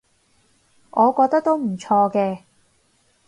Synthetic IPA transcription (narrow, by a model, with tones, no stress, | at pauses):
ʔɔː˨˧kɔː˧k̚t̪ɐ˥k̚t̪o˥wm̩˨˩t͡ʃʰɔː˧kɛː˧